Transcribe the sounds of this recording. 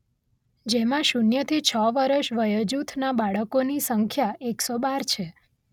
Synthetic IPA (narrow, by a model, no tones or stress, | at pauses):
d͡ʒemãʃunjət̪ʰit͡ʃʰəʋəɾəʃʋəjəd͡ʒut̪ʰnabaɭəkonisəŋkʰjaʔeksobaɾt͡ʃʰe